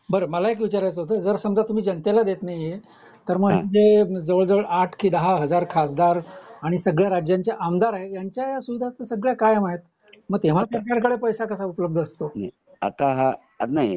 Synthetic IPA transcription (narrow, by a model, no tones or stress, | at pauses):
bəɾəməlaek̬ʋit͡ɕaɾajt͡səɦot̪əd͡zəɾsəmd͡zat̪ːum̤iːd͡ʑənt̪elad̪et̪naɦjiɦe | t̪əɾməd͡zed͡zəʋəɭd͡zəʋəɭʔaʈʰkʰiːd̪əɦaɦəd͡zaɾkʰas̬d̪aɾaɽ̃isəɡɭjaɾad͡ʑjaɲt͡ɕjaʔamd̪aɾaɦejaɲt͡ɕjajasuʋid̪ʱat̪əsəɡɭjakajamaɦet̪ | məɡ̚t̪eʋ̤asɾkaɾkəɽepəjsakəsaupləb̚d̪ʱəəst̪ona | a̰t̪aɦa | at̪naj